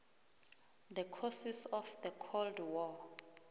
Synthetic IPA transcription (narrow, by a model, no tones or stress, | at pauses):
d̪əkʰɔsisɔfd̪əkʰoldwɔ